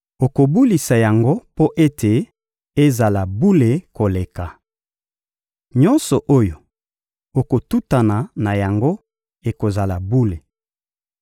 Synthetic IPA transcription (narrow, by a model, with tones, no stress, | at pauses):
o˨ko˨bu˦li˨sa˨ja˨ŋɡo˦po˦ʔe˦tʰe˨ | e˦za˨la˨bu˦le˨ko˨le˨ka˨ | ɲɔ˦nsɔ˨ʔo˦jo˨ | o˨ko˨tu˦ta˨na˨na˨ja˨ŋɡo˦ | e˨ko˨za˨la˨bu˦le˨